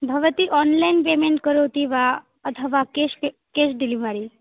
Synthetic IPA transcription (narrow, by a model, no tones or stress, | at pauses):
bʱəʋət̪iːʔɔnlainpemeɳʈkəɾot̪iʋa | ət̪ʰəʋakese | kesɖ̪ilimaɾi